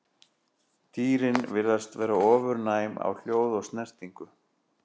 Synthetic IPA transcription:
t̪iːɾɪnvɪɾðast̪vɛːɾaɔːvʏɾnaːjma̰wl̥joːwðɔst̪nɛr̥t̪iŋkʏ

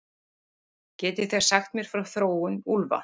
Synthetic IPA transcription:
cɛːt̪ɪθeɣ̥saxt̪mjɛɾ̥fɾawθɾoːwʏnulva̰

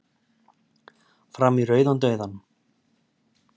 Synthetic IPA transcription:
fɾamirœːɥðant̪œːɥðan

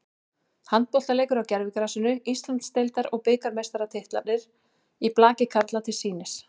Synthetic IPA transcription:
hant̪̚powht̪aleːjkʏɾawcɛɾvɪkaɾasʏnʏist̪lant̪st̪ejlt̪aɾɔɣpɪːkaɾmest̪aɾat̪ʰɪht̪la̰t̪nɪɾ̥ | iplaːcɪkʰaɾt̪lat̪ʰɪlsiːnɪs

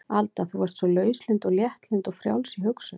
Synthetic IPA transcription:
alt̪aθuvaɾst̪sɔlœːɥslʏnt̪ɔɣljɛht̪lʏnt̪ɔɣfɾja̰wlsiɦʏksʏ

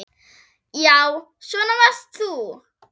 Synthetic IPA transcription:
jaw | ʃɔnɔmastʰu

